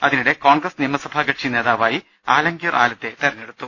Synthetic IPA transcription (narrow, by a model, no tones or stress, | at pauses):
ɐðinuɽe̞koːɳɡrɐsnijɐmɐsɐbʱaːɡɐʈʂine̞ːðaːʋaːji | aːlɐŋɡiːrʔa̰ːlɐt̪ːe̞t̪ɐɾɐne̞ɽut̪ːu